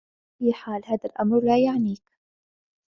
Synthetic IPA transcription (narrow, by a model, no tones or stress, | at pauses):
fiːħaːlhaːðalʔamɾlaːjaʕniːk